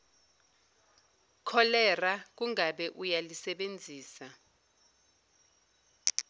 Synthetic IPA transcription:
kʰɔlɛrak̬uŋaɓɛʔujalisɛɓend͡zʱiːsa

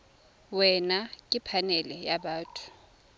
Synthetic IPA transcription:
wɛnakʼɪpʰanɛlɛjaɓaːtʼʰu̥

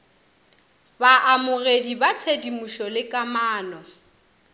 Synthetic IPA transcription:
baʔamʊredibat͡sʰedimuʃɔlɪkʼamaːnɔ

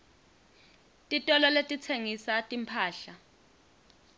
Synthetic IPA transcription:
tʼitʼɔlɔletʼit͡sʰeŋisatʼimpʰaːɬa

